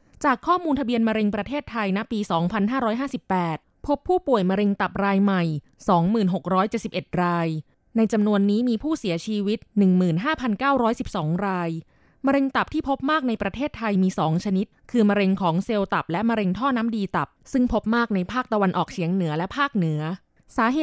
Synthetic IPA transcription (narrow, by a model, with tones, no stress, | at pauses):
t͡ɕaː˨˩kʰːɔː˥˩muː˧nt̪ʰa˧bi˧ənma˧ɾe˧ŋpɾa˧t̪ʰeː˥˩t̪ʰːa˧jna˦˥piː˧sɔː˩˦ŋpʰa˧nɦaː˥˩ɾɔː˦˥jɦaː˥˩si˨˩pːɛː˨˩t̪̚pʰo˦˥pʰːuː˥˩pu˨˩əjma˧ɾe˧ŋt̪a˨˩p̚ɾaː˧jma˨˩j | sɔː˩˦ŋmɯː˨˩nɦo˨˩k̚ɾɔː˦˥jt͡ɕe˨t̪̚si˨˩pʔe˨˩t̪̚ɾaː˧j | na˧jt͡ɕa˧mnu˧ənːiː˦˥miː˧pʰuː˥˩si˨˩˦t͡ɕʰiː˧wi˦˥t̪̚nɯ˨˩ŋmɯː˨˩nɦaː˥˩pʰa˧nkaː˥˩wɾɔː˦˥jsi˨˩p̚sɔː˩˦ŋɾaː˧j | ma˧ɾe˧ŋt̪a˨˩p̚t̪ʰiː˥˩pʰo˦˥p̚maː˥˩k̚na˧jpɾa˧t̪ʰeː˥˩t̪ʰːa˧jmiː˧sɔː˩˦ŋt͡ɕʰa˧ni˦˥t̪̚kʰɯː˧ma˧ɾe˧ŋkʰɔː˩˦ŋse˧wt̪a˨˩p̚lɛ˦˥ma˧ɾe˧ŋt̪ʰɔː˥˩naː˦˥mdiː˧t̪a˨˩p̚sɯ˥˩ŋpʰo˦˥p̚maː˥˩k̚na˧jpʰaː˥˩k̚t̪a˧wa˧nʔɔː˨˩k̚t͡ɕʰi˨˩˦əŋnɯ˨˩˦lɛ˦˥ʔpʰaː˥˩k̚nɯ˨˩˦ɐ | saː˩˦ɦeː˨˩